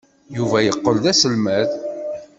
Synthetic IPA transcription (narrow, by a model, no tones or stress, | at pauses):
juvæjəqːəlðæsəlmæð